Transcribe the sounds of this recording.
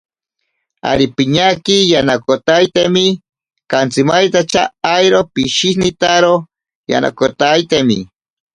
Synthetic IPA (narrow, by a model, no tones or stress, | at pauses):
a̰ɾipiɲakijanakot̪ajt̪emi | kant͡simajt̪at͡ʃaːjɾopiʃihnit̪aɾo | ja̰na̰kot̪ajt̪emḭ